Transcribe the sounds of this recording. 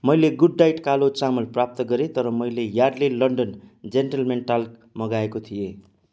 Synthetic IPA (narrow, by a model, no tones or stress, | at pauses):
mʌjleɡuɖːajʈkalot͡samʌlprap̚t̪ʌɡʌɾet̪ʌɾʌmʌjlejarlelʌɳɖʌnd͡zenʈʌlmenʈalkmʌɡaekot̪ʰije